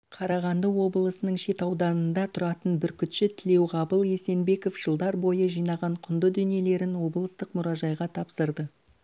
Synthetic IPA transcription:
qʰɑɾɑʁɑnd̪əwo̞blˠəsənəɴʃe̞t̪ɑwd̪ɑnənd̪ɑt̪ʰʊɾɑt̪ənbʏɾkʲʏt̪ʃɪt̪ʰɪle̞wʁɑbəlˠe̞se̞nbe̞ko̞fʒ̥əlˠd̪ɑɾbo̞jəʒijnɑʁɑɴqʰʊnd̪əd̪ʏnije̞le̞ɾɪnwo̞blˠəst̪əqmʊɾɑʒɑjʁɑt̪ʰɑpsəɾd̪ə

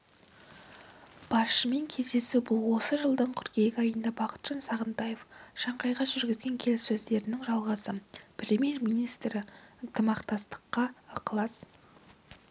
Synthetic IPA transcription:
b̥ɑsʃəme̞ŋkʲʰe̞zd̪e̞subʊlˠwo̞səʒəlˠd̪əɴkʲʰʏɾkʲe̞ɡʲɑjənd̪ɑbɑqə̥t̪ʒ̥ɑnsɑʁənt̪ɑjefʃɑɴqɑjʁɑʒʏɾɡʲɪzɡʲe̞ŋkʲʰe̞lɪsːɵzd̪e̞ɾɪnɪŋʒɑlˠʁɑsəprʲe̞mʲije̞rmijnijst̪ɾɪənt̪ʰəmɑqt̪ɑst̪ə̥qːɑɑqəlˠɑs

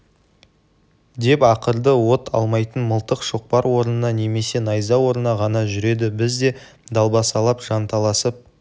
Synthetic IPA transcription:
d̪e̞pɑqəɾd̪əwo̞t̪ʰɑ̰lˠmɑjt̪ənməlˠt̪əqʃoq̚pɑɾwo̞ɾənənɑne̞me̞se̞nɑjzɑwo̞ɾənɑʁɑnɑʒʏɾe̞d̪ɪbɪzd̪e̞ | d̪ɑlˠbɑsɑlˠɑpʒ̥ɑnt̪ʰɑlˠɑsəp̚

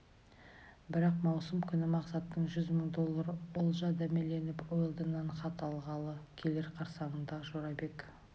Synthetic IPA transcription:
bɪɾɑqmɑwsəmkʲʰʏnɪmɑqsɑt̪ːəɴʒʏzməɴd̪o̞lˠːɑɾwolˠʒɑd̪æme̞le̞nɪpwojəlˠd̪ənɑɴχɑt̪ɑlˠʁɑlˠəkʲʰe̞leɾqʰɑɾsɑʁənd̪ɑʒoɾɑbe̞k

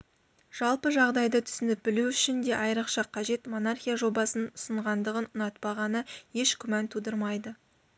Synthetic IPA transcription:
ʒ̥ɑlˠpəʒɑʁd̪ɑjd̪ət̪ʰʏ̥sɪnɪp̚bɪluʏʃɪnd̪e̞ʔɑjɾəqʃɑqʰɑʒe̞t̪mo̞narχʲijaʒo̞bɑsənʊsəɴʁɑnd̪əʁənʊnɑt̪̚pɑʁɑnəje̞ʃkʲʰʏmænt̪ʰud̪əɾmɑjd̪ə

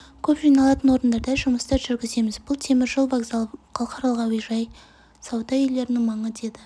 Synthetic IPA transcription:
kʲʰɵpʒijnɑlˠɑt̪ənwo̞ɾənd̪ɑɾd̪ɑʒʊməst̪ɑɾʒʏɾɡʲɪze̞mɪzbʊlˠt̪ʰe̞mɪɾʒəlˠbɑɡzˠqʰɑlˠqɑɾɑlˠəqɑwijʒɑj | sɑwd̪ɑjeld̪e̞ɾɪnɪŋmɑɴəze̞d̪ɪ

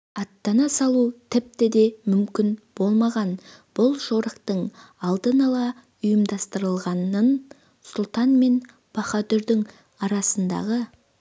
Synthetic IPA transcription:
ɑt̪ːɑnɑsɑlˠut̪ʰɪp̚t̪ɪd̪e̞mʏmkʲɪnb̥o̞lˠmɑʁɑnb̥ʊlˠʒoɾəqt̪əɴ | ɑlˠd̪ənɑlˠɑ | ʊjəmd̪ɑst̪əɾəlˠʁɑnən | sʊlˠt̪ɑnme̞n | b̥ɑχɑt̪ʏɾd̪ɪŋ | ɑɾɑsənd̪ɑ̰ʁə

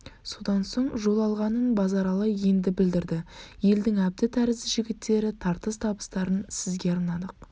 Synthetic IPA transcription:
so̞d̪ɑnso̞ɴʒo̞lˠɑlˠʁɑnəɴbɑzɑɾɑlˠəje̞nd̪ɪbɪld̪ɪɾd̪ɪje̞ld̪ɪŋæb̚d̪ɪt̪ʰæɾɪzʒɪɡʲɪt̪ːe̞ɾɪt̪ʰɑɾt̪əst̪ʰɑbə̥st̪ɑɾənsɪzɡʲe̞ɑɾnɑd̪əq̚

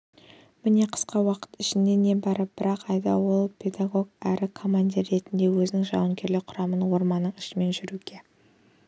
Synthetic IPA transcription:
mɪne̞qʰə̥sqɑwɑqə̥t̪ɪʃɪnd̪e̞ne̞bɑɾəp̚b̥ɪɾɑqɑjd̪ɑwo̞lˠpʲʰe̞d̪aɡo̞ɡæɾɪkʰo̞mand̪ʲiɾːe̞t̪ɪnd̪e̞wɵzɪnɪŋʒɑ̰wəŋɡʲe̞ɾlɪk̚ʲqʰʊɾɑmənwo̞ɾmɑnːəɴɪʃɪme̞nʒʏɾuɡʲe̞

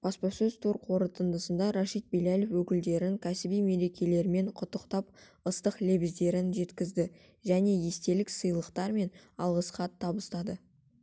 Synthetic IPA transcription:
b̥ɑspɑsɵzt̪ʰuɾqʰo̞ɾət̪ənd̪əsənd̪ɑɾɑʃijt̪̚bilɑlʲefwɵkʲɪld̪e̞ɾɪŋkʲʰæsɪbijme̞ɾe̞kʲe̞le̞ɾɪme̞ɴqʰʊt̪ːə̥qt̪ɑpəst̪əqlʲe̞bɪzd̪e̞ɾɪnʒe̞t̪kʲɪzd̪ɪ | ʒæne̞je̞st̪e̞lɪksəjlˠəqt̪ɑɾme̞nɑlˠʁəsqɑt̪ʰːɑbəst̪ɑd̪ə

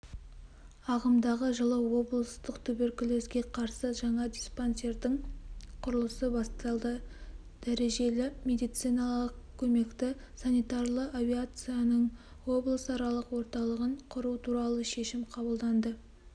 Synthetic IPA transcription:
ɑʁəmd̪ɑʁəʒəlˠəwo̞blˠəst̪əqt̪ʰʏbe̞ɾkʲɪleskʲe̞qʰɑɾsəʒɑɴɑd̪ʲisponsʲe̞ɾd̪ɪɴqʰʊɾəlˠəsəbɑst̪ɑlˠd̪ə | d̪̥æɾe̞ʒe̞lɪmʲe̞d̪ijt̪sɨjnɑlˠəqkʲʰɵme̞kt̪ɪ | sanijt̪arlˠəavʲiat̪sɨjanəɴ | wo̞blˠəsɑɾɑlˠəqwo̞ɾt̪ɑlˠəʁəɴqʰʊɾut̪ʰuɾɑlˠəʃe̞ʃɪmqʰɑbəlˠd̪ɑnd̪ə

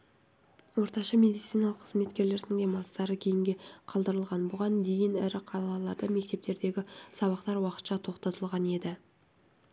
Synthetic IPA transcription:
wo̞ɾt̪ɑʃɑme̞d̪ijt̪sijnɑlˠəqʰːəzme̞t̪kʲe̞ɾle̞ɾt̪ʰɪŋɡʲejmɑlˠəst̪ɑɾəkʲʰe̞jɪŋɡʲe̞qʰɑlˠd̪əɾəlˠʁɑnbʊʁɑnd̪e̞jɪnɪɾɪqʰɑlˠɑlˠɑlˠɑɾd̪əme̞k̚t̪e̞p̚t̪e̞ɾd̪e̞ɡʲɪsɑβɑqt̪ɑɾwɑqə̥t̪ʃɑt̪ʰo̞qt̪ɑt̪ʰəlˠʁɑne̞d̪ɪ

